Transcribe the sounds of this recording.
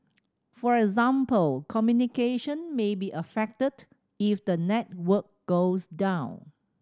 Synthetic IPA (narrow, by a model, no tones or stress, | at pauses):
fɔɹɛɡzãmpəlkʰɔmjunikeʃə̃nmebiʔəfɛk̚təd | ifdənɛt̚wək̚ɡ̥osdãʊ̃n